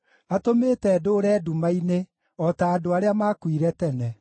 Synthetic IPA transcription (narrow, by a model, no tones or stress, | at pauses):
atometɛːdoɾɛːdumaine | ɔtaːdoaɾeamaːkwiɾɛtɛnɛ